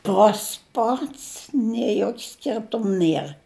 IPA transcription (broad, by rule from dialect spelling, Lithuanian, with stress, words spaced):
ˈtɐs ˈpɐts nʲiɛ ˈjoːkʲ ˈsʲkʲɪrtʊm ˈnʲiɛr